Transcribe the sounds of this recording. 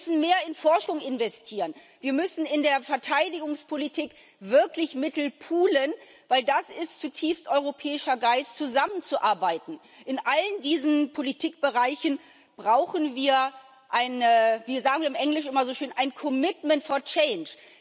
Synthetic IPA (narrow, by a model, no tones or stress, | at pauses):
sn̩meːɐɪnfɔɐʃʊŋɪnvɛstʰiːʁən | viːɐmʏsn̩ɪndeːɐfɛɐtʰaɪdɪɡʊŋspʰolitʰiːk | v̥ɪɐklɪçmɪtl̩pʰuːlən | vaɪldasɪstt͡sutʰiːfstʔɔʏʁ̞opʰɛːɪʃɐɡaɪstt͡suzamənt͡suʔaɐbaɪtn̩ | ʔɪnʔaləndiːzn̩pʰolitʰiːk̚b̥əʁaɪçn̩ | b̥ʁaʊxən̩viːɐ | ʔaɪnəviːzaːɡŋ̩viːɐɪmʔɛŋlɪʃʔɪmɐzoːʃøːnʔaɪnkʰɔmɪtmɛntfɔɐt͡ʃɛɪnt͡ʃ